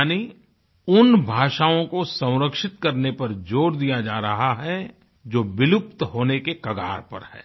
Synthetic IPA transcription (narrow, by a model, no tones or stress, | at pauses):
ni | ʊnbʱaːʃaːõkosɐ̃w̃ɾəkʃɪt̪kɐɾnepɐɾd͡ʒoːɾd̪ijad͡ʒaːɾɐɦaɦɛ | d͡ʒoːbɪlʊp̚t̪ɦoːnekekɐɡa̰ːɾpɐ̰ɾhɛ̰ː